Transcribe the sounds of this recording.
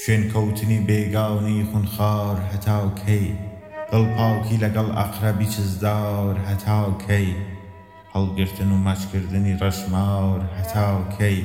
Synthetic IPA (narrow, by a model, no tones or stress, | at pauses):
ʃweːnkʰɐwt̪ʰɨniːbeɡaːwnixʊnxaːwɾɦɐt̪ʰaːwkʰɐj | ɡ̥ɐlˠpʰaːwkʰilɐɡɐlʔɐ̰qɾɐbiːt͡ʃʰɪzd̪awɾɦɐt̪ʰaːwkʰɐj | hɐlˠɡɨɾt̪ʰɨnumat͡ʃkɨɾd̪ɨniːrɐʒmaːwɾhɐt̪ʰaːwkʰɐj